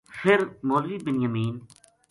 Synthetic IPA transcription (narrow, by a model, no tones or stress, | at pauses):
fʰɪɾmoːlʋiːbɪnjəmiːn